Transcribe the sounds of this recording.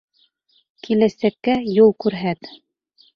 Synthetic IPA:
kilæsækːæjulˠkʉɾɦæt̪

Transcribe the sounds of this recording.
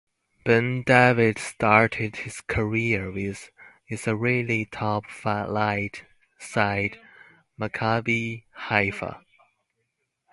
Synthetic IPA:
b̥ɛ̃ndævɪd̥stʰɑɹɾʰɪd̥̚hɪz̥kʰə˞iɹwɪz̥ | ɪzəɹɪlitʰɔpfaʔlaɪt | saɪd | məkʰabihaɪfə̰

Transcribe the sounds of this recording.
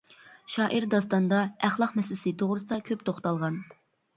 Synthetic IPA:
ʃɑːʔiɾd̪ɑst̪ɑnd̪ɑæχlˠɑqmɛslɪsɨt̪ʰoʁɾɨsɨd̪ɑkʲʰøpt̪ʰoχt̪ɑlˠʁɑn

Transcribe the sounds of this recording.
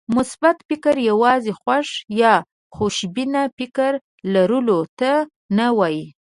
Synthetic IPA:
mʊsbat̪fɪkaɾjawɑzexwaʂjɑ | xoʃbinapɪkaɾ | laɾəlot̪a | nawɑji

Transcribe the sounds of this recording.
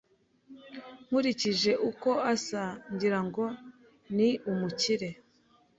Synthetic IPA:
ŋ̥uɾiciʒe̞ʔuko̞asaɲɟiɾaŋɡo̞ | niʔumuciɾe̞

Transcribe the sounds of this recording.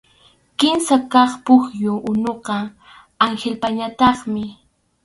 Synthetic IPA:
kɪmsakɑχpʊxjʊʔʊnoqɑ | aŋxelpaɲat̪ɑχmɪ

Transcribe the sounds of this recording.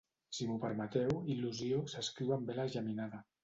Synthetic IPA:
simupəɾmət̪ɛwiluziosəskɾiwambelaʒaminaða

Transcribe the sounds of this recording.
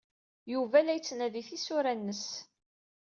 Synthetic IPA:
juvælæjət͡sːnæðiθisʊɾænːəs

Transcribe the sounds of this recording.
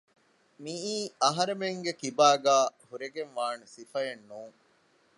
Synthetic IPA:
miiːɐɦɐɾemeŋɡekibaːɡaːhuɾeɡenʋaːnusifɐjenːuːŋ

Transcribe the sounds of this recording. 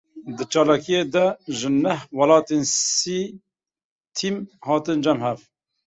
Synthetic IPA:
d̪ɨt͡ʃɑːlɑːkijeːd̪ɛʒɨnɛhwɑlɑːt̪eːnsiː | t̪ʰimhɑːt̪ɨnd͡ʒɛmhɛv

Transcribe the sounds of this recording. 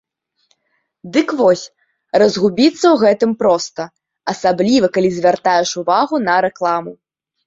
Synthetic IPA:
d̪ɨkvɔsʲ | rɐzɣubʲit̪sːɐwɣɛt̪ɨmpɾɔst̪ɐ | ɐsablʲivɐkalʲizʲvʲart̪ajɛʂuvaɣunɐɾɛklˠamu

